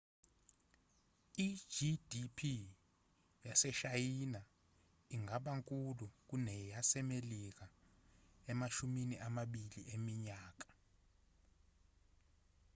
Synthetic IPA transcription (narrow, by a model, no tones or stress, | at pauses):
i̥d͡ʒidʱipʰi | jasɛʃajina | iŋɡʱaɓaŋkʼuluk̬unɛjasɛmelik̬a | ɛmat͡ʃʰuminiʔamaɓiliʔemiɲaːk̬ḁ